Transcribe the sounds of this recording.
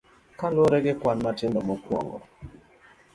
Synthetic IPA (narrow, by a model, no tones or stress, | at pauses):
kaloɾɛɡɪkwanmatɪndɔmɔkwɔ̰ŋɡɔ̰